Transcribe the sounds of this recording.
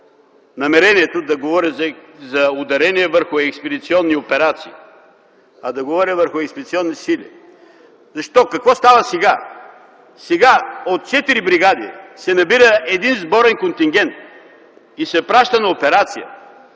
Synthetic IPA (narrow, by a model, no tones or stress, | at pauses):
nɐmɛɾɛniɛt̪od̪ɐɡovɔɾɛzɐʊd̪ɐɾɛniɛvəɾxʊɛkspɛd̪it̪siɔnːiopɛɾat̪siː | ɐd̪ɐɡovɔɾɛvəɾxʊɛkspɛd̪it̪siɔnːisilʲḭ | zɐʃt̪ɔkɐkvɔst̪avɐsɛɡa | sɛɡaot̪̚t͡ʃɛt̪iɾibɾiɡad̪ḭsɛnɐbiɾəɛd̪inzbɔɾɛnkont̪iŋɡʲɛnt̪̚ | isɛpɾaʃt̪ɐnɐopɛɾat̪sijə̰